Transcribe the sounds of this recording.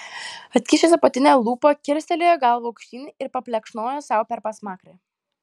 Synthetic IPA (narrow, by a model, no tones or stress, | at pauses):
ɐt̪ʲkʲiːʃʲesʲɛpɐt̪ʲɪnʲɛːlˠuːpoːkʲɪɾʲsʲt̪ʲɛlʲeːjoːɡɐlˠʋɐʊkʃʲt̪ʲiːnʲɪɪɾpɐpʲlʲɛkʃnoːjosɑˑʊpʲɛɾpɐsmɑːkɾʲe